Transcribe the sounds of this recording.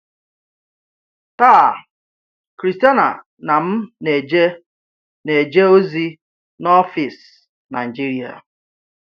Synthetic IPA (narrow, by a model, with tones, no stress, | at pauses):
ta˦˨ | kɾi˨sti˦a˦na̰˨ | na˨m̩˦ne˨d͡ʒ | ne˨d͡ʒe˦o˦zi˦ | nɔ˦fi˨s | na˨i˨d͡ʒi˦ɾi˨a̰˨